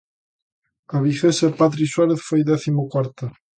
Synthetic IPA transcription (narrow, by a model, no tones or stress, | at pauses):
aβixesepat̪ɾiswaɾeθfojðɛθimokwaɾt̪a